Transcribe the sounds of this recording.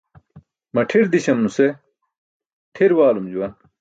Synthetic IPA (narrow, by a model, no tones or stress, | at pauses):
mɐʈʰiɾd̪iɕɐmnuse | ʈʰiɾwaːlumd͡ʑuwɐn